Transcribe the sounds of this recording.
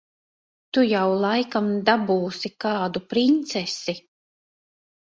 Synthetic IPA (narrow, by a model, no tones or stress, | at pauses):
t̪ujawlˠajkamd̪abuːsikaːd̪upɾint̪sɛsi